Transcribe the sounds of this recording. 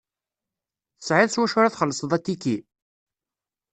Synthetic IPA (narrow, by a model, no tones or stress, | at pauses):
θə̥sʕiðswæʃʊɾæθχəlːəsˤðˤæt̪ːikːi